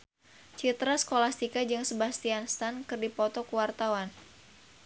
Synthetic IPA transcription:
t͡ʃit̪ɾasə̥kolast̪ikad͡ʒɨŋsəbast̪ianst̪ankɨrdipɔt̪ɔkuwart̪awan

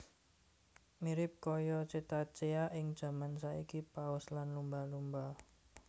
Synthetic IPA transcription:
miɾɪp̚kɔjɔt͡ʃet̪at͡ʃeaʔɪŋd̥ʒ̥a̤mansaikipaɔslanlumbalumba

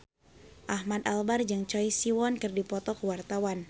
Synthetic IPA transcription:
ʔahmad̪albard͡ʒɨŋt͡ʃɔjsiwɔnkɨrdipɔt̪ɔkəwart̪awan

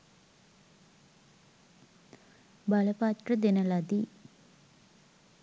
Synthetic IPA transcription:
baləpat̪rəd̪enəlad̪i

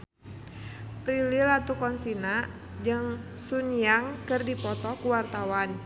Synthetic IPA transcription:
pɾililat̪ukɔnsina | d͡ʒɨŋ | sunijaŋkɨrdipɔt̪ɔkuwart̪awan

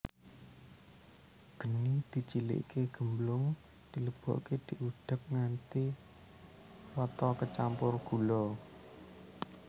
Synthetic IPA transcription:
ɡ̥ə̤nid̪̥i̤t͡ʃilɪ̰ʔkeɡ̥əmblʊŋ | d̪̥i̤ləb̥ɔ̰ʔked̪̥iʔuɖ̥ə̤p̚ŋant̪i | wɔt̪ɔkət͡ʃampʊrɡ̥ṳlɔ

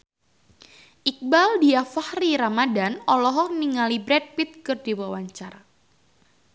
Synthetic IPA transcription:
ʔik̚baldiafahriɾamadanɔlɔɦɔniŋalibɾɛd̚pit̪̚kɨrd̥iwawaɲt͡ʃaɾa

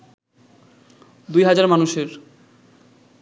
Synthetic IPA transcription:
d̪ujɦad͡ʑaɾmanuʃeɾ

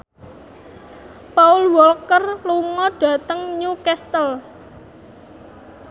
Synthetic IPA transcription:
paʊlwɔlkərluŋɔɖ̥ä̤t̪əŋɲukɛst̪əl

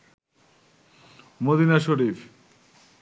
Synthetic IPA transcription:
mod̪inaʃoɾif

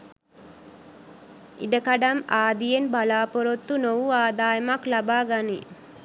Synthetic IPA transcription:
ḭd̪əkɐɖamaːd̪ijenbʱɐlaːpoɾot̪ːunoʋuaːd̪aːjɐmaklɐbaːɡani

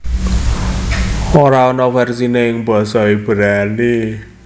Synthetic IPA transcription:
oɾaonɔfɛrsineɪŋb̥ɔ̤sɔib̥ə̤ɾane

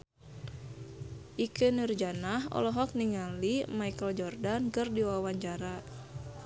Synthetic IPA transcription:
ʔikɨnird͡ʒanahɔ̰lɔɦɔk̚niŋalimajkəld͡ʒɔrdankɨrdiwawaɲt͡ʃaɾa

